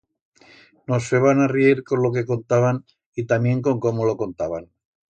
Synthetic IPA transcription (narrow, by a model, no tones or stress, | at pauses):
nosfeβanarieɾko̞nlo̞ke̞ko̞nt̪aβan | it̪amjẽ̞ŋko̞ŋko̞molo̞ko̞nt̪aβan